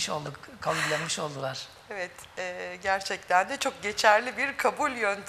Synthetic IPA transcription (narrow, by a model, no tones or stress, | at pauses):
ʃo̞̰lˠd̪ukkʰabulʲlːanmɯʃo̞lˠd̪ulˠaɾ̥ | evɛt̪ | ɛːɟæɾt͡ʃʰɛct̪ʰænd̪ɛt͡ʃʰo̞k̚ɟe̞t͡ʃʰæɾlʲibiɾkʰabulʲjønt̪ʰ